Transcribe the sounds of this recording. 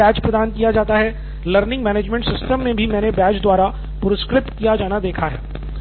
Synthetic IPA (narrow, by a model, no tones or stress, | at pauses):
ɛːt͡ʃpɾɐd̪aːnkijad͡ʒaːt̪aɦɛ | ləɾnɪ̃ŋɡmɛːneːd͡ʒmɛ̃ɳʈsɪsʈəmːẽbʱimɛ̃ːnebɛːt͡ʃd̪waːɾa | pʊɾɪskɾɪt̪kijad͡ʒaːnad̪eːkʰaɦɛ̰ː